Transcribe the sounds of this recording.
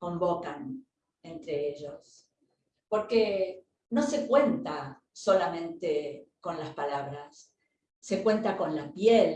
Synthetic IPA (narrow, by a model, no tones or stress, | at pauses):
ko̞mbo̞kan | e̞nt̪ɾeeʒo̞s | po̞ɾke | no̞se̞kwe̞nt̪a | so̞lamẽ̞nt̪eko̞nlaspalaβɾasː | e̞kwe̞nt̪ako̞nlapjel